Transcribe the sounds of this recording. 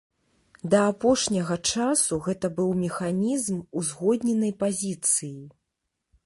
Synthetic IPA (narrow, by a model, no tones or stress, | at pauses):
d̪ɐːpɔʂnʲɐɣɐt͡ʂasuɣɛt̪ɐbɨwmʲɛxanʲizmuzɣɔd̪ʲnʲɛnɐjpazʲit̪sɨji